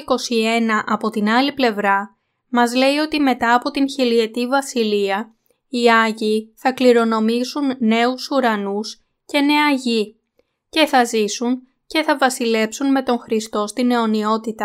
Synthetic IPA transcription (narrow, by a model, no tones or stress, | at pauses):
ko̞sie̞nɐʔɐpo̞t̪inɐliple̞vɾɐ | mɐzle̞io̞t̪ime̞t̪ɐːpo̞t̪inçilie̞t̪ivɐsiliɐ | iɐʝiθɐkliɾo̞no̞misunːe̞usuɾɐnus | ce̞ne̞ɐʝi | ce̞θɐzisun | ce̞θɐvɐsile̞psunme̞t̪o̞ŋxɾist̪o̞st̪ine̞o̞nio̞t̪it̪ɐ